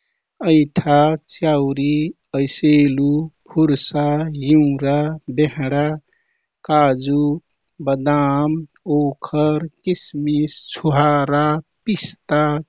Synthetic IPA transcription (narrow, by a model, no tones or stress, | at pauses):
əɪʈʰat͡ʃjawɾi | əjselupʰuɾsajuːɾabeɦɽa | kad͡ʒu | bəd̪am | oːkʰəɾkismist͡ʃʰuɦaɾapist̪a